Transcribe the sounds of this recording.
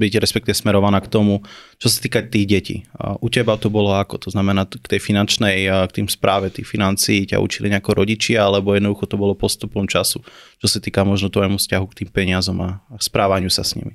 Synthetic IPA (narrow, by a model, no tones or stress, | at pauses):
bicɾɛspɛk̚t̪iʋɛsmɛɾɔʋanaːkt̪ɔmut͡ʃɔsḁt̪iːkat̪iːɣɟɛcḭːʔucɛbat̪ɔbɔlɔakɔt̪ɔznamɛnaːkt̪ɛjfinant͡ʃnɛjkt̪iːmspɾʔaːʋɛt̪iːfinant͡siːca̰ʔṵt͡ʃiliɲɛakɔɾɔɟit͡ʃɪaalɛbɔjɛd̪nɔd̪uxɔt̪ɔbɔlɔpɔst̪upɔmt͡ʃasut͡ʃɔsat̪iːkamɔʒnɔt̪ʋɔjmufscaɦukt̪iːmpɛɲɪazɔmakspɾaːʋaɲɪusasɲḭmi